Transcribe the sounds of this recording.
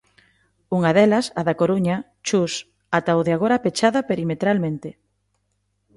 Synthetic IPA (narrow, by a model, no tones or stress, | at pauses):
uŋaðɛlɐsaðakoɾuɲa | t͡ʃus | at̪awðeaɣoɾapet͡ʃaðɐpeɾimet̪ɾalmẽnt̪e